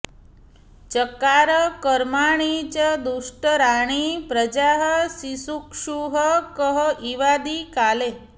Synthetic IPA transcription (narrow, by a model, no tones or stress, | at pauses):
t͡ʃəkaːɾəkəɾmaɽ̃it͡ɕəd̪uʂʈəɾaːɽ̃ipɾəd͡ʒaːɦəsisukʂuɦəkəɦəʔiʋad̪ikaːle